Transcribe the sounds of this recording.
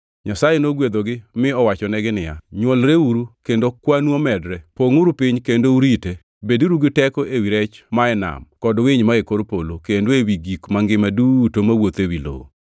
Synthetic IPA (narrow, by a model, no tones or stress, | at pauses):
ɲasajenoɡwed̪oɡɪmɪɔwat͡ʃɔnɛɡɪnɪja̰ɲwolɾeuɾukendokwanwomɛdɾɛpoŋuɾupɪɲkendouɾite | beduɾuɡɪtɛkɔʔewiɾɛt͡ʃmaɛna̰mkɔdwɪɲmaekoɾpolokendoewiɡikmaŋɡɪmadutomawot̪ewilo̰o̰